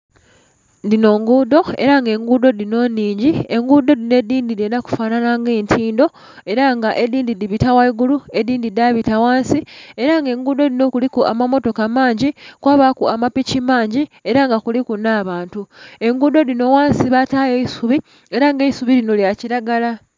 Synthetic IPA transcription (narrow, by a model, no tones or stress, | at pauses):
ndino̞ːŋɡuːdo̞e̞̰ɾaŋɡe̞ŋɡuːdo̞dino̞nːiːɲɟie̞ŋɡuːdo̞dine̞dːiːndidenaku̥faːnanaŋɡe̞ːntʰiːndo̞ | e̞ɾaŋɡaʔe̞diːndidiβitawaiɡulue̞diːndidaβitawaːnsie̞ɾaŋɡe̞ːŋɡuːdo̞dino̞kulikuʔa̰mamo̞to̞kamaːɲɟikwaːβakuamapicimaːɲɟie̞ɾaŋɡakulikunaːβaːntue̞ŋɡuːdo̞dino̞waːnsiβatajeisuβi | e̞ɾaŋɡeisuβilino̞ljaciɾaɡala